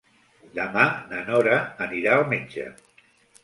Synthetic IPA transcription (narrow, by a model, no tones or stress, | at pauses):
d̪əmanənɔɾəːniɾaəlˠmed͡ʒə̰